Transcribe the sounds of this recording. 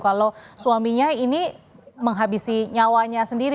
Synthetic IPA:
kalosuamiɲainiməŋɦabisiɲawaɲasəndiɾ

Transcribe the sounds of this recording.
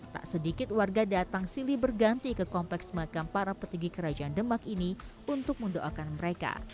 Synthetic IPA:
t̪a̰ʔsədikɪt̪̚warɡadat̪aŋsilibərɡant̪ikəkɔmplɛksməakanpaɾapət̪iɡikəɾad͡ʒaʔandəmakini | unt̪ʊk̚məndoʔakanməɾeka̰

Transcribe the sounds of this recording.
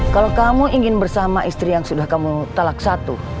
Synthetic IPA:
kalakamuʔiŋɪnbərsamaʔist̪ɾijaŋsudahkamut̪alak̚sat̪u

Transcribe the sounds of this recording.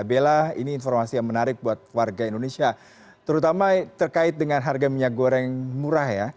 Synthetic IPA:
belaḭniːnformasijaŋmənaɾɪk̚buat̪̚warɡaindonesia | t̪əɾut̪amat̪ərkaɪt̪̚dəŋanɦarɡamiɲaɡoɾɛŋmuɾahja

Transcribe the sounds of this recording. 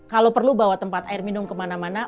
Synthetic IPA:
kalopərlubawat̪əmpat̪aɪrminʊmkəmanamana

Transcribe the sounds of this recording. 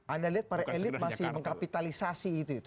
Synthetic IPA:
ʔandaliɦat̪̚paɾaʔelɪt̪̚masɪhməŋkapit̪alisasiːt̪uit̪u

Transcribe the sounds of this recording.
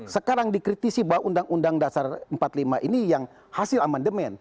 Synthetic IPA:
səkaɾaŋdikɾit̪isibawaʔundaŋundaŋdasarəmpat̪limaʔinijaŋ | hasɪlamandəmɛn

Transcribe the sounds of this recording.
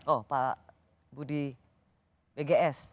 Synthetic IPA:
opa | budi | beɡeʔɛs

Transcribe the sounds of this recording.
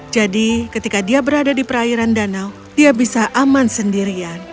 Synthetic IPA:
d͡ʒadikət̪ikadiabəɾadadipəɾaiɾandanaw | d̥iabisaʔamansəndiɾian

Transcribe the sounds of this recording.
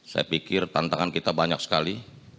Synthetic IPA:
sa̰ja̰pikɪrt̪ant̪aŋankit̪abaɲak̚sə̥kali

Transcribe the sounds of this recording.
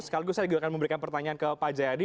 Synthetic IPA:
sə̥kaliɡusajaɡakanməmbəɾikanpərt̪aɲaankəpad͡ʒaadi

